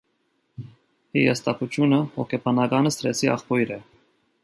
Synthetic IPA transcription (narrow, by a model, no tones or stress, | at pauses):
hijɑ̰st̪ɑkut͡ʃʰjunəhɔ̰kʰɛpʰɑnɑɡɑnəsɾɛt͡sʰiɑ̰χpɔjɾɛ